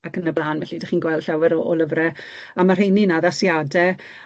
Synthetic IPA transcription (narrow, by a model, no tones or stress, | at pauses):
akənəblˠaːnvɛɬidaχiːnɡwɛlˠd̥ɬawɪɾɔʔɔlˠəvrɛ | amar̥ejninaðasjadɛ